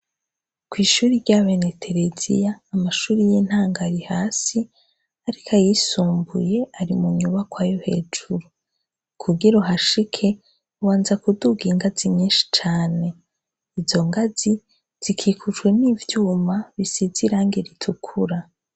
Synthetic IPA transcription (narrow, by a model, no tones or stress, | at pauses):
kwiːʃuːɾiɾɟaβenetʰe̞ɾezḭjaːmaʃuːɾijen̥haːŋɡaɾihaːsi | aɾikʰajisuːmbuje̞aɾimuɲuβakwaːjohe̞ːd͡ʒuɾu | kʰuɡiɾoɦaʃikʰe̞ | uwaːnzakuduɡiŋɡaziɲɲiːnʃi̥t͡ʃaːne̞ | izo̞ŋɡazi | z̥ikʰiːkʰut͡ʃwe̞nivjuːmaβisiziɾaːŋɡeɾitʰukʰuɾa